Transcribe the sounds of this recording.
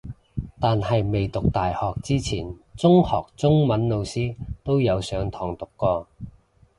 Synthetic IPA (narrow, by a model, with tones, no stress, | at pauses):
t̪aː˨nhɐ˨jme˨jt̪ʊ˨k̚t̪aː˨jhɔː˨k̚t͡siː˥t͡sʰiː˨˩nt͡sʊ˥ŋhɔː˨k̚t͡sʊ˥ŋmɐ˨˥nlo˨˧wsiː˥t̪o˥wjɐ˨˧wsœː˨˧˥ŋt̪ʰɔː˨˩ŋt̪ʊ˨kːɔː˧